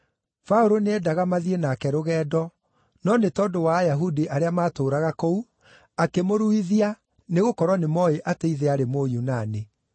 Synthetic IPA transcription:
faoɾoneɛdaɣamaðienaːkɛɾoɣɛːdɔ | nɔnetɔdowajaɦudiʔaɾeamaːtoːɾaɣakɔu | akemoɾuiðia | neɣokɔɾwanemɔeʔateiðɛaɾemojunane

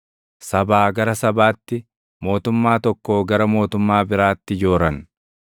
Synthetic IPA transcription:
sɐbaːɡɐɾɐsɐbaːt̪ːɪ | mo̞ːt̪ʊmːaːt̪ɔkːoːɡɐɾɐmo̞ːt̪ʊmːaːbɪɾaːt̪ːɪd͡ʒoːɾɐn

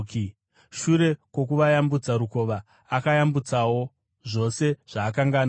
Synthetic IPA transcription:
ki | ʃuɾe̞kwo̞k̬uʋajambud͡zaɾuko̞ːʋa | akajambut͡sawo̞ | ʐo̞se̞ʐ̥aːkaŋɡaːn

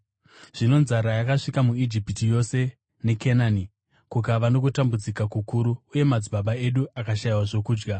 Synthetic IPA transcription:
ʐ̥ino̞nzaɾajakaʂikamuid͡ʒipitijo̞se̞ | ne̞kenani | kukaʋano̞kutambud͡zikakukuɾuːje̞mad͡ziɓaɓae̞ɗuakaʃaiwaʐo̞kuːd͡ʒɡa

